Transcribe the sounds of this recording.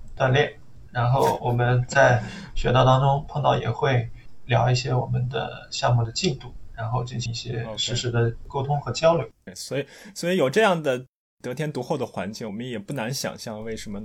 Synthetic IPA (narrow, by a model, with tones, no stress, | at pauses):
t̪wa˥˧nljɛ˥˩n | ɻa˧˥nxo˥˩ʊwɔ˨˩mə˦nt͡sa˥˩ɪɕɥɛ˧˥t̪ɑ˥˩ʊt̪ɑ˥ŋʈ͡ʂʊ˥ŋpʰɤ˥˧ŋt̪ɑ˥˩ʊjɛ̰˨˩xwe˥˩ɪljɑ˧˥ʊi˥˩ɕjɛ˥wɔ˨˩mə˦nd̪ə̰˧˩ɕjɑ˥˧ŋmu˥˩d̪ə˩t͡ɕi˥˧nt̪u˥˩ɻa˧˥nxo˥˧ʊt͡ɕi˥˩nɕi˧i˥˩ɕjɛ˥˧ʂɻ̩˧˥ʂɻ̩˧˥d̪ə˧ko˥ʊt̪ʰʊ˥ŋxɤ˧˥t͡ɕjɑ˥ʊljo˧˥ʊ˥˩ɪswɔ˧˥i˧˩swɔ˧˥i˧˥jo˨˩ʊʈ͡ʂɤ˥˧jɑ˥˩ŋd̪ə˩ | t̪ɤ˧˥t̪ʰjɛ˥nt̪u˧˥xo˥˩ʊd̪ə˩xwa˧˥nt͡ɕi˥˩ŋwɔ˨˩mə˦njɛ˨˩pu˥˩na˧˥nɕjɑ̰˨˩ŋɕjɑ˥˧ŋwe˥˩ɪʂə˧˥mə˧